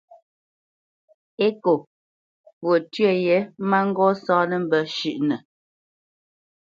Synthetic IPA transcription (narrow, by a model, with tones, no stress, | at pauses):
e˦ko˨ | pwo˨tɥɛ˦˨jɛ˨˦ma˦ŋ̩˦ɡɔ˦sɔː˦nə˦˨m̩˨bə˨ʃʉ˦˨ʔnə˨